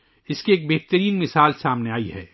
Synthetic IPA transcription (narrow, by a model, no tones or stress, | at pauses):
ɪskieːk̚beːɦt̪əɾiːnmɪsaːlsaːmneaːiɦɛ̰ː